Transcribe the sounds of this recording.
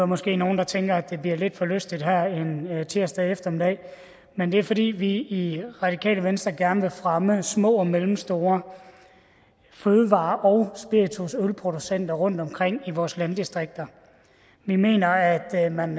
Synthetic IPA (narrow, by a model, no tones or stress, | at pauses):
æmɒ̽sɡ̥e̝̰ːno̝ːn̩d̥ɑ̈t͡sʰeŋɡ̥ɐæd̥d̥e̝bliɐle̝d̥fɒ̽løsd̥id̥ɦæɐ̰ent͡sʰiɐsd̥æefd̥ɐmid̥ɛ̰ | mend̥e̝æɐfɒ̽dḭːʋiːʁɑ̈d̥ikʰɛ̰ːləʋensd̥ʁɐɡ̥æɐnəʋe̝fʁaməsmɔ̰̽ːmelm̩sd̥o̝ːɐ | føːðˠəʋɑ̈ːʔɒ̽ʊsb̥iɐit͡sʰusølpʰʁo̝d̥usen̰d̥ɐʁɔ̽n̰d̥ɒ̽mkʰʁeŋ̰iʋɒːslænd̥isd̥ʁeɡ̥̚d̥ɐ | mime̝̰ːnɐæd̥mæn